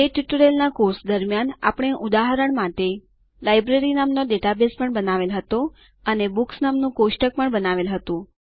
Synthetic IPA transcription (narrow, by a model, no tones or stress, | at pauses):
eʈiʈəɾelnakoɾsd̪əɾmjana̰pəɳ̃eʔud̪aɦəɾəɳmaʈe | lajbɾeɾinamnoɖeʈabespəɳbənaʋelɦət̪o | ənebuksnamnũkoʃʈək̚pəɳbənaʋelɦət̪ũ